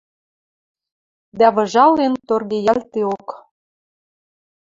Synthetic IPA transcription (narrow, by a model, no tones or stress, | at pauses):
d̪æβɤ̆ʒɑlent̪orɣejælt̪eok